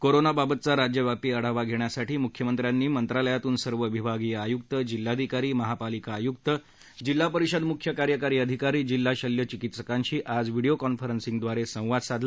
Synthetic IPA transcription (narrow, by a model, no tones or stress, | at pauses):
koɾonababət̪̚t͡saɾad͡ʑjəʋjapiːəɽ̤aʋaɡʱeɳjasaʈʰiːmukʰjəmənt̪ɾjanːiːmənt̪ɾaləjat̪uːnsəɾʋəʋibʱaɡiːjajuk̚t̪əd͡ʑilːad̪ʱikaɾiːməɦapalikaːjuk̚t̪ə | d͡ʑilːapəɾiɕəd̪mukʰjəkaɾjəkaɾiːəd̪ʱikaɾiːd͡ʑilːaɕəljət͡ɕikit̪səkãɲɕiːʔad͡zʋiɽijokɔnfəɾənsĩŋɡd̪ʋaɾesə̃w̃ʋad̪sad̪ʱl